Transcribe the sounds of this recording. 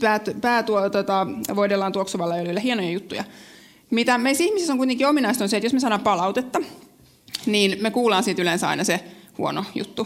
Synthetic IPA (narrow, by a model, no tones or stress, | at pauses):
pæːt̪pæːt̪uot̪ot̪ɑʋoidelːɑnt̪uoksuʋɑlːɑjolilːæhienojɑjut̪ːujɑ̰ | mit̪æmeisihmisisoŋkuit̪eŋkiominɑist̪onset̪josmesɑːɾɑːppɑlɑut̪et̪ːɑ | niːnmekuːlɑːnsit̪ylensɑ̰inɑsehṵo̰no̰jṵt̪ːu